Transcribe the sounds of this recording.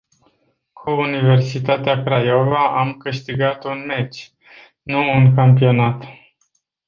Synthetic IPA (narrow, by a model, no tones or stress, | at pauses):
kʰuːnive̞rsit̪at̪eakɾajo̞vaʔamkɨʃt̪iɡat̪unmet͡ʃʲ | nuːŋkampio̞nat̪